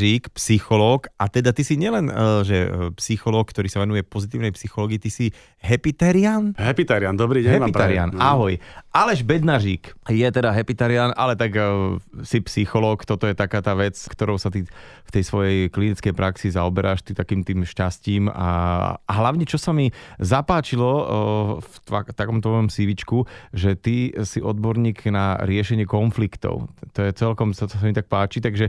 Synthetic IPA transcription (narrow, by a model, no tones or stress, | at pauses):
ʒiːkpsixɔlɔːkat̪ɛd̪at̪isiɲɪɛlɛnʒɛpsixɔlɔːk̚kt̪ɔɾiːsaʋɛnujɛpɔzit̪iːʊnɛjpsixɔlɔːɡiːt̪isi | ɦɛpit̪ɛɾiaːnɦɛpit̪ɛɾɪand̪ɔbɾiːɦɛpiɛɾia̰naɦɔjʔalɛʒbɛd̪naʒiːkjɛt̪ɛd̪aɦɛpit̪ɛɾɪanʔa̰lɛt̪aɡ | sipsixɔlɔːkt̪ɔt̪ɔjɛt̪akaːt̪aːʋɛt͡skt̪ɔɾɔʊsat̪i | ft̪ɛjsʋɔjɛjklinit͡skɛjpɾaksizaɔbɛɾʔaːʃt̪it̪akiːmt̪iːmʃcasciːma̰a̰ɦlaʊɲɛt͡ʃɔsamizapaːt͡ʃilɔ | ft̪a̰t̪akɔmt̪ɔɔɔjɔmsiʋit͡ʃkuʒɛt̪isiʔɔd̪̚bɔɾɲiːɡnaɾɪɛʃɛɲɪɛkɔnflikt̪ɔ̰ʊt̪ɔjɛt͡sɛlkɔmsɔsɔs̬amit̪ak̚paːt͡ʃit̪aɡʒɛ